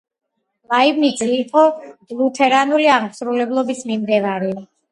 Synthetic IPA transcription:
laivnisʼiːqʼɔb̥lˠut̪ʰɛɾanuliaʁmsɾulɛblˠɔbismimd̪ɛvaɾi

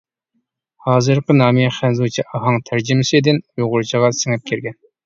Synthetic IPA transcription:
hɑːzɨɾqənɑːmiɛχænzut͡ʃʰiʔɑɦɑŋt̪ʰæɾd͡ʒɪmɪsɪd̪ɪnjoʁʊɾt͡ʃʰəʁɑsɪŋɛp̚kʲʰeɾɡʲɛn

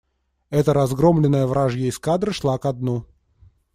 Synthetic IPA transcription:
ɛt̪əɾɐzɡɾomlʲɪnːəjəvɾʔaʐjəɪskad̪ɾɨʂlˠakɐd̪̚nu

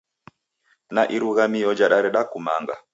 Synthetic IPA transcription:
naʔiɾuɣamijɔd͡ʒaɗaɾɛɗakuma̰ŋɡa̰

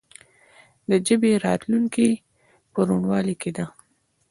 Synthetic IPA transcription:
d̪əd͡ʒəbeɾɑt̪luŋki | pəɾuɳwɑliked̪a

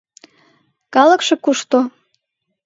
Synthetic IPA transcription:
kɑlə̆kʃekuʃt̪o

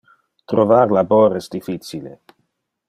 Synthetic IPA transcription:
t̪ɾovaɾlaboɾɛsd̪ifit͡silḛ

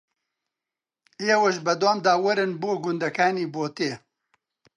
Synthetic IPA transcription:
jeːwɐʃbɐd̪oːmd̪aːwɐɾɨnboːɡʊnd̪ɐkʰaːniːboːt̪eː

